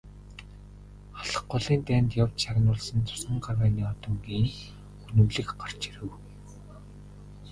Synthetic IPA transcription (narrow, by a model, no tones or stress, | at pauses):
aɮə̥̆χɢʊɮiːnt̪æːnt̪jawt͡ɕʃaɾə̆nʊːɮsə̆nt͡sʊ̥sə̆ɴɢarwæːniːɔt̪ɞ̆ŋɡiːŋ | xunʲɵ̆mɮɘ̆kɢar̥t͡ɕiɾɘ̆w